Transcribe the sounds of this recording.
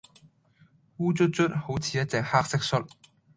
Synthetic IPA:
wuː˥t͡ʃɵ˥t̚t͡ʃɵ˥t̚ho˨˥wt͡sʰiː˨jɐ˥t̚t͡sɛː˨k̚haː˥k̚sɪ˥k̚sɵ˥t̚

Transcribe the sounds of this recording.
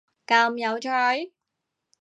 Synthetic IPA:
kaː˧mjɐ˨˧wt͡ʃʰœː˧˩j

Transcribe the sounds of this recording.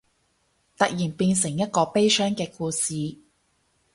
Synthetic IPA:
t̪ɐ˨k̚jiː˨˩npiː˧nsɪ˨˩ŋjɐ˥t̚kɔː˧pe˥jsœː˥ŋkɛː˧kuː˧siː˨

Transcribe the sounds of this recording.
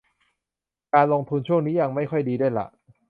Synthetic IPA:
kaː˧nlo˧ŋt̪ʰu˧nt͡ɕʰu˥˩əŋniː˦˥ja˧ŋma˥˩jkʰɔ˥˩jdiː˧du˥˩jla̰˨˩ʔ

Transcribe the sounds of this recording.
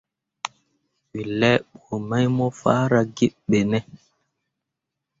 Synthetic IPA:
wi˨lɛ˦ɓo˨ma˦jmɔ˦fa̰ː˦ɾa˨ɡe˦ɓe˨nɛ˦

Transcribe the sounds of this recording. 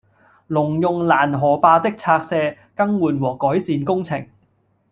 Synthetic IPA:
lʊ˨˩ŋjʊ˨ŋlaː˨˩nɦɔː˨˩paː˧t̪ɪ˥k̚t͡sʰaː˧k̚sɛː˧ | kɐ˥ŋwuː˨˩nwɔː˨˩kɔː˨˥jsiː˨˧nkʊ˥ŋt͡sʰɪ̰˨˩ŋ

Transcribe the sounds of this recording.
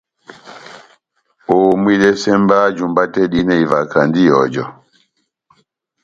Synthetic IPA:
o˨mwi˦lɛ˦sɛ˦mba˦d͡ʒu˨mba˦tɛ˦ɗi˦nɛ˦˨i˨va˨ka˨ndi˦jɔ˨d͡ʒɔ˨

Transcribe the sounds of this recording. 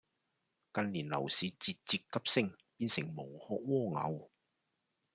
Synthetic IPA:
kɐ˧nliː˨˩nlɐ̰˨˩wsiː˨˧˥t͡siː˧t̚t͡siː˧t̚kɐ˥p̚sɪ˥ŋ | piː˧nsɪ˨˩ŋmo˨˩whɔː˧k̚wɔː˥ŋɐ̰˨˧w

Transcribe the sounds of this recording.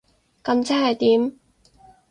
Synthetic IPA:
kɐ˧mt͡sɐ˥nhɐ˨˩jt̪iː˨˥m

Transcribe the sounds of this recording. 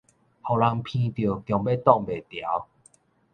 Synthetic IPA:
hɔ˨˩la˧ŋpʰĩ˧t̪jo˨˩t̪jɔ˨˩ŋbe˦˧t̪ɔ˥˨ŋbe˨˩t̪ja˨˦w

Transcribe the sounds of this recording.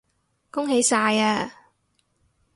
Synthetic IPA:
kʊ˥ŋɦe˨˥jsaː˧jaː˧

